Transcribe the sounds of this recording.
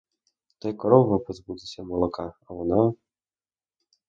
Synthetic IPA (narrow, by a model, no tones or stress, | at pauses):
t̪ɛjkɔɾɔvɔpɔzbud̪ɪsʲɐmɔlˠɔkaɐvɔna